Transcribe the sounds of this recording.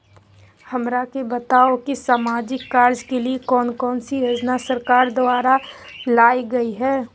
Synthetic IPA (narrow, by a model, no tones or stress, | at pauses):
hɐmɾakebɐt̪aːokisaːmaːd͡ʒɪkːaːɾd͡ʒkeliekɔːnkɔːnsiɾɐd͡ʒnasɐɾkaːɾd̪ʊaːɾalaːiɡɐiɦɛː